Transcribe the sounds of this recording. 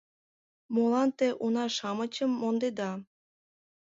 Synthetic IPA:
molɑnt̪eʔunɑʃɑmə̆t͡ɕə̆mːond̪ed̪ɑ

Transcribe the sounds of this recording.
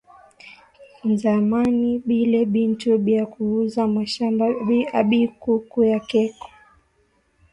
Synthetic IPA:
nzamaniɓilɛɓintuɓiakuuzamaʃambaaɓikukujakɛkɔ̥

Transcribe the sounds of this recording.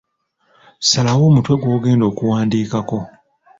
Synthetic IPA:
salawo̞ːmutwe̞ɡwo̞ːɡe̞ːndo̞ːkuwaːndiːkako̞

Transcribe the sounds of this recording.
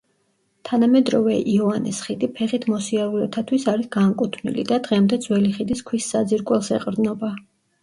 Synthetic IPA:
t̪ʰanamɛd̪ɾɔvɛʔiɔanɛsχid̪ipʰɛχit̪ʰmɔsiaɾulɛb̚t̪ʰat̪ʰwisaɾisɡamkʼut̪ʰnḭlḭd̪ad̪ʁɛmd̪ɛd̪zwɛliχid̪iskʰwisːad̪ziɾkʼwɛlˠsɛqʼɾd̪nɔba

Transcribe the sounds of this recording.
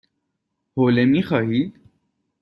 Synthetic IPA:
hoːlemixɐɦiːd̪

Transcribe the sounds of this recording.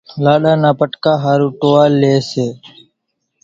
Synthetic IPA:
laːɗaːnaːpəʈkaːɦaːɾuːʈoːaːleːseː

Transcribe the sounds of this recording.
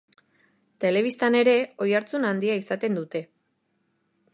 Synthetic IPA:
t̪e̞le̞β̞ist̪ane̞ɾe̞o̞jaɾt͡sunand̪iaisat̪e̞nd̪ut̪e̞

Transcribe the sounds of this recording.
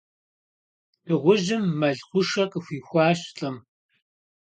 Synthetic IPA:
d̥ɨʁʷʊʒɪmːɐɮxʷʊʂɐkʼəxʷiːxʷɑːɕɬʼɐm

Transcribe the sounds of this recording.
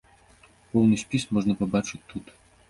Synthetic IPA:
pɔwnɨsʲpʲismɔʐnɐpabat͡ʂɨt̪ut̪

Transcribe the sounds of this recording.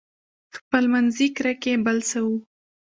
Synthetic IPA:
xpəlmanzikɾakebəlsawu

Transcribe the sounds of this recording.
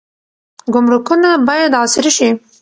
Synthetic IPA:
ɡʊmɾukunabɑjad̪ɑsɪɾiʃi

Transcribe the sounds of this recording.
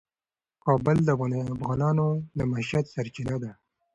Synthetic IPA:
kɑːbəld̪əafɣɑːnɑːnoləmaʃad̪saɾt͡ʃinad̪a

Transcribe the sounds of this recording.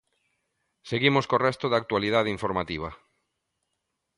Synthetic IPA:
seɣimoskorɛst̪oðak̚t̪walið̞að̞eiɱfoɾmat̪iβ̞ɐ

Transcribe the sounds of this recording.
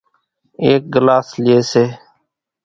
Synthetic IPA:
eːk̚ɡəlaːslɪeːseː

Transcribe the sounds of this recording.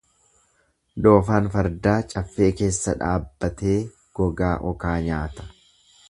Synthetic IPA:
d̪oːfaːnfɐɾd̪aːt͡ʃʼɐfːe̞ːke̞ːsːɐᶑa̰ːbːɐt̪e̞ː | ɡ̥ɔɡaːʔɔkaːɲaːt̪ɐ̥

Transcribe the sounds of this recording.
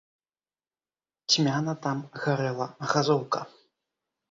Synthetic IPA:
tʲmʲanɐt̪amɣɐɾɛlˠɐɣɐzowkɐ

